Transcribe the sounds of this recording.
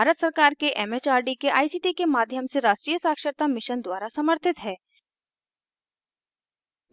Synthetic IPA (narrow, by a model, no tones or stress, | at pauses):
bʱaːɾət̪sɐɾkaːɾkeʔɛmeːt͡ʃaːɾɖikeʔa̰ːisiːʈikemaːd̪ʱjəmseɾaːʃʈɾiːjəsaːkʃəɾt̪amɪʃənd̪waːɾasɐməɾt̪ʰɪt̪ɦɛː